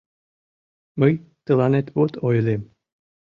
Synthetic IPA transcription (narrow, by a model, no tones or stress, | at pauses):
məjt̪əlɑnet̪βot̪ojlem